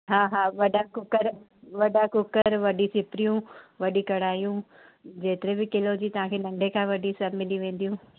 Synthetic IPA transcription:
ɦaːɦaːʋɐɖakʊkəɾ | ʋɐɖakʊkəɾʋɐɖisɪpɾijũʋɐɗikɐɽ̤aːijũ | d͡ʑeːt̪ɪɾebɪkɪlod͡ʑiːt̪ɐʋ̤ãkʰeːnɐ̃ɳɖʱekʰãːʋɐɖʱisɐbmɪliʋẽːn̆d̪ijũː

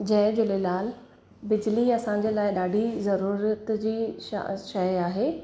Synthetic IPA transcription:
d͡ʑɐɦd͡ʑʊlɪlaːl | bɪd͡ʑliɐsãɲ̆d͡ʑeːlaːɪɗaːɖʱizɐɾuːɾət̪d͡ʑḭːʃɐjaːɦeː

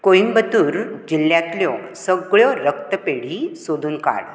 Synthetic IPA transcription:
koimbət̪uːɾd͡ʑilːjãt̪ljɔ | səɡɭjɔɾək̚t̪əpeɽ̤isod̪ʱuːnka̰ɽ

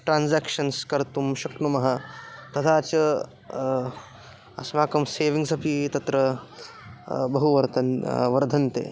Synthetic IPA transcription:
ʈɾaːnzaːkʃɐnskɐɾt̪umʃɐkɳumɐɦɐt̪ɐt̪ʰaːt͡ʃɐ | ɐsʋaːkɐmseːʋiŋsɐpʰit̪ɐt̪ɾɐ | bɐɦuʋɐɾt̪ɐʋɐɾd̪ʱɐnt̪ḛː

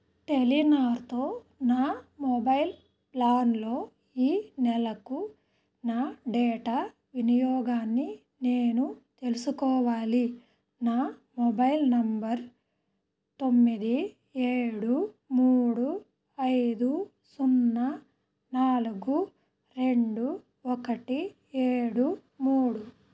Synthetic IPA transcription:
ʈelinaːɾt̪o̞ː | naːmɔbɐjl | plaːnlo̞ː | iːnɛlɐku | naːɖeːʈaː | ʋinijɔːɡaːnːi | ne̞ːnut̪e̞lusukɔːʋaːli | naːmɔbɐjlnɐmbɐɾ | t̪o̞mːid̪i | eːɽu | muːɽu | ɐjd̪u | sunːɐ | naːluɡu | ɾe̞ɳɖu | ɔkɐʈi | eːɽu | muːɽu

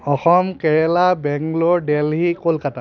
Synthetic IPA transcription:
ɔxɔmkɛɹɛlabɛŋɡlɔɹdɛlɦikolkata

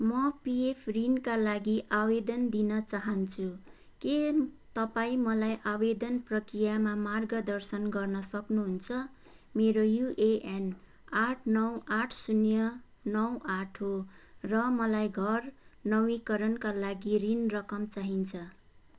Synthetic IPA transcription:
mʌpiepʰrinkalaɡiʔabed̪ʌnd̪inʌt͡saɦʌnt͡sʰu | ket̪ʌpaĩmʌlajʔabed̪ʌnprʌkrijamamarɡʌd̪ʌrsʌnɡʌrnʌsʌknuɦunt͡sʰʌ | meɾojuʔeʔen | aʈʰnʌwaʈʰsunjʌ | nʌwaʈʰɦorʌmʌlajɡʱʌrnʌwikʌɾʌnkalaɡirinrʌkʌmt͡saɦint͡sʰʌ

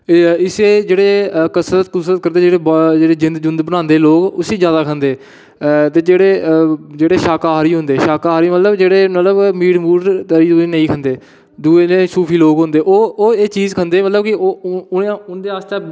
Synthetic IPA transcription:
ɪseːd͡ʒeːɽeːkəsɾət̪kʊsɾət̪̚kəɾnd̪eːd͡ʒeːɽeːd͡ʒeːɽeːd͡ʒɪ̃nd̪d͡ʒʊnd̪bənãːnd̪eːloːɡʊsiːd͡ʒjaːd̪aːkʰənd̪eː | t̪eːd͡ʒeːɽeːd͡ʒeːɽeːʃaːkaːɦɾiːɦʊ̃nd̪eːʃaːkaːɾiːmət̪ləbd͡ʒeːɽeːmət̪ləbmiːɽmuːɾt̪əɾiːd̪oeːnəĩːkʰənd̪eː | d̪uːeːnẽːsuːpʰiːloːɡɦʊ̃nd̪eːʔoːoːeːt͡ʃiːzkʰənd̪eːmət̪ləbkɪo | nd̪eːaːst̪aː

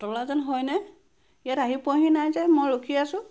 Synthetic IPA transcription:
tɔlazɔnɦɔjnɛ | ijataɦipɔɦinajzɛmojɹokʰiasʊ̃

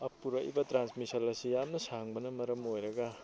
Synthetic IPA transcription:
ɐpːuɾɐʔbɐtɾansmisɐlɐsijamnɐsaŋbɐnɐmɐɾɐmojɾɐɡa

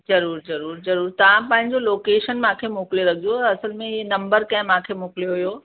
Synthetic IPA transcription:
zɐɾuːɾzɐɾuːɾzɐɾuːɾt̪ɐʋ̤ãpɐ̃ɦɪ̃ɲd͡ʑoloːkeːʃənmãːkʰemoːkleɾɐɡʱioɐsəlmẽenɐ̃mbəɾkɐ̃ɦɪ̃mãːkʰemoːkɪljoɦujoː

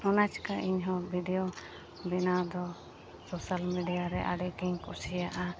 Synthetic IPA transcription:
ɔnat͡ʃkaʔiɲɦɔ̃bʱiɖɛjo | bɛnad̪ɔ | sosalmiɖijaɾɛʔa̰ɖɛkiŋkusijaʔa

